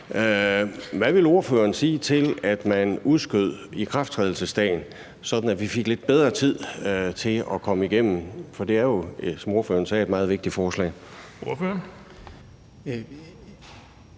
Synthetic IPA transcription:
ʋæʋe̝lo̝ɐfø̰ːɐnsiːt͡sʰe̝læd̥mænuðˠsɡ̥øð̞̰ˠikʰʁɑfd̥t͡sʰʁɛːð̞ˠl̩səsd̥ɛ̰ːɪn | sɒ̽d̥n̩ædʋife̝ɡ̥le̝d̥̚b̥eð̞ˠʁɐt͡sʰið̞̰ˠt͡sʰe̝ɒ̽kʰɒ̽məiɡ̥em̰m̩fɒ̽d̥e̝æɐjo̝sɒ̽mo̝ɐfø̰ːɐnsɛ̰ːe̝d̥mɑ̈ːð̩ˠʋeɡ̥̚d̥ifɒːslɛ̰ː | oɐføɐn

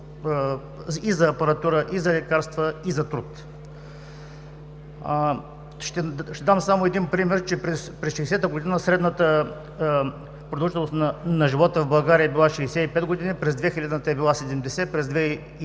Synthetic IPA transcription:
izɐːpɐɾɐt̪uɾəʔizɐlɛkaɾst̪vəizɐt̪ɾut̪ | ʃt̪ɛʃt̪ɛd̪amsamoɛd̪inpɾimɛɾt͡ʃɛpɾɛspɾɛsʃɛːsɛt̪əɡod̪inəsɾɛd̪nət̪ə | pɾod̪lˠʒit̪lˠnost̪nɐnɐʒivɔt̪əvbɐlˠɡaɾiəɛbilˠaʃɛsɛipɛd̪ɡod̪inipɾɛzd̪vɛxilʲad̪ət̪əɛbilˠasɛd̪ɛmd̪ɛsɛpɾɛzd̪vɛ

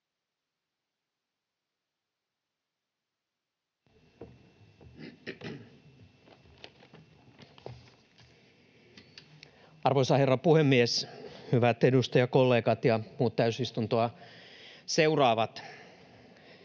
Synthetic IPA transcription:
ɑrʋoisɑherːɑpuhemːieshyʋæt̪edust̪ɑjɑkolːeːkɑt̪jɑmuːt̪t̪æysist̪unt̪oɑ | seurɑːʋɑt̪

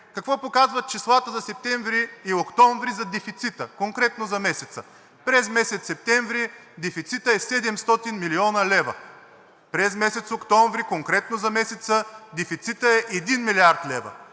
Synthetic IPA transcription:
kɐkvɔpokazvɐt̪̚t͡ʃislˠat̪əzɐsɛp̚t̪ɛ̃ɱvɾiːokt̪ɔɱvɾizɐd̪ɛfit̪sit̪əkoŋkɾɛt̪nozɐmɛsɛt̪sə | pɾɛzmɛsɛt̪sːɛp̚t̪ɛ̃ɱvɾi | d̪ɛfit̪sit̪əɛsɛd̪ɛmst̪ɔt̪inmiliɔnɐlɛvə̰ | pɾɛzmɛsɛt̪sokt̪ɔ̃ɱvɾikoŋkɾɛt̪nozɐmɛsɛt̪səd̪ɛfit̪sit̪əɛʔɛd̪inmiliaɾt̪lɛvɐ̰

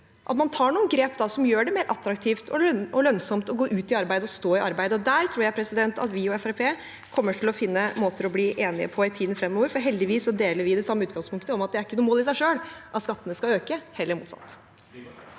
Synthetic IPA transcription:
ʔɑ̰t̪mɑnt̪ʰɑːɳuːənɡɾeːpd̪ɑsɔmjøːɖɛmeːɾʔɑt̪ɾɑkt̪ʰiːft̪ʰɔ̰ɔlœnsɔmt̪ɔɡoːʔʉːt̪ɪɑɾbæɪd̪əɔst̪oːɪʔɑɾbæɪd̪əɔd̪æːɾt̪ʰɾuːɾjæɪpʰɾɛsɪd̪ɛnt̪ɑ̰t̪ʋɪɔɛfæɾpʰeː | kʰɔmːəʈʰɪlɔfɪnːəmoːt̪əɾɔbliːʔeːnɪə̰pʰɔɪt̪ʰiːd̪n̩fɾɛmːoːʋəɾfɔɾɦɛld̪ɪʋiːsːɔd̪eːləɾʋɪd̪ɛsɑmːəʉːt̪ɡɑŋspʰʊŋkt̪əɔmɑt̪̚d̪ɛæɾɪkːənuːmoːlɪs̬æɪʂøːlʔɑt̪skɑt̪ːənəskɑøːkəhɛlːəɾmuːt̪sɑ̰t̪ː

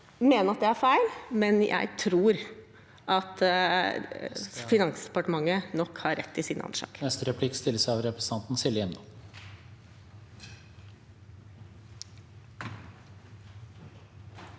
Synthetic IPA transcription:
meːnəɾɑt̪̚d̪ɛæɾfæɪlmɛnjʔæ̰ɪt̪ʰɾuːɾ | ʔɑt̪ | fɪnɑŋsd̪ɛpɑʈəmɑŋːənɔkhɑɾɛ̰t̪ːɪsiːnɑ̰nʂɑ̰ːknɛst̪əɾɛpʰlɪkːst̪ɪlːəsɑʋɾɛpɾəs̩ʰɑnt̪n̩sɪləɛnd̪ɔm

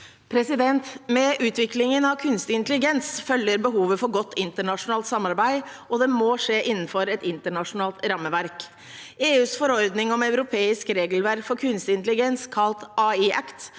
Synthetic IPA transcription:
pʰɾɛsɪd̪ɛnt̪mɛʔʉːt̪ʋɪklɪŋənɑʋkʰʉnst̪ɪɪnt̪əlɪɡɛnsfœlːəɾbəɦuːʋəfɔɾɡɔt̪ʰːɪnt̪əɳɑʂʊnɑːlt̪sɑmːɑɾbæɪɔd̪ɛmoːʂeːʔɪnːn̩fɔɾɛt̪ɪnt̪əɳɑʂʊnɑːlt̪ɾɑmːəʋæɾk | eːʉːsfɔɾɔɾd̪nɪŋɔmɑʉɾʊpʰeːɪskɾeːɡəlʋæɾkfɔɾkʰʉnst̪ɪnt̪əlɪɡɛnskʰɑlt̪ʔɑːiʔækt̪

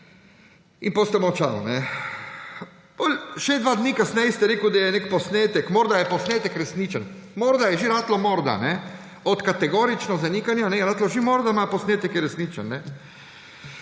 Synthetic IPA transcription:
inpost̪ɛmɔt͡ʃa̰w̰nɛ | polʃɛd̪ʋad̪nikasnɛjst̪ɛɾeːkud̪ajɛnekpɔsneːt̪ɛkmɔːɾd̪ajɛpɔsneːt̪ɛkɾɛsnit͡ʃən | mɔːɾd̪ajɛʒiɾaːt̪lɔmɔɾd̪a̰nɛ | ɔt̪kat̪ɛɡoːɾit͡ʃnɔzaniːkanjanɛɛɾaːt̪lɔʒimoɾd̪amaposneːt̪ɛkjɛɾɛsniːt͡ʃə̰nːɛ

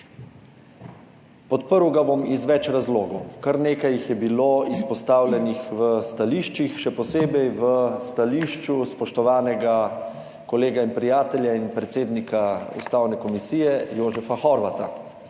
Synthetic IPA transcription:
pɔt̪pəɾwɡabomizʋɛt͡ʃɾazloːɡɔwkaɾneːkajixjɛbiloːispɔst̪aːwlʲɛnixʋəst̪aliːʃt͡ʃixʃɛpɔseːbɛjʋəst̪aliːʃt͡ʃuspɔʃt̪ɔʋaːnɛɡa | kɔleːɡainpɾijaːt̪ɛljainpɾɛt̪seːd̪nikaṵst̪aːwnɛkɔmisiːjɛjoːʒɛfaxɔɾʋat̪a̰

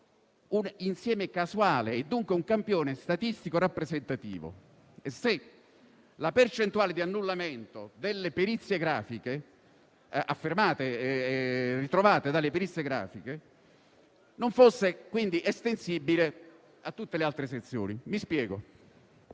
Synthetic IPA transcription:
uninsjɛːmekasuaːleːd̪ːuŋkweuŋkampjoːnest̪at̪ist̪ikorapːɾezent̪at̪ḭːvo̰ | ese | lapert͡ʃent̪uaːled̪ianːulːament̪od̪elːepeɾit̪sːjeɡɾaːfike | afːermaːt̪e | rːit̪ɾovaːt̪ed̪alːepeɾit̪sːjeɡɾa̰ːfike | noɱfosːekwind̪iʔest̪ensibːile | at̪ːut̪ːelealt̪ɾeset̪sːjo̰ːnimispjɛːɡo̰

